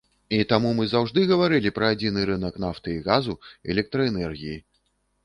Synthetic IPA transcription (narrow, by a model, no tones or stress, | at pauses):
it̪amumɨzawʐd̪ɨɣɐvaɾɨlʲipɾɐːd͡zʲinɨɾɨnɐkn̪aft̪ɨiɣazuɛ̰lʲɛk̚t̪ɾɐɛnɛrɣʲiji